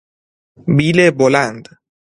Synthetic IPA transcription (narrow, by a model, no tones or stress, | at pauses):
biːlebolænd̪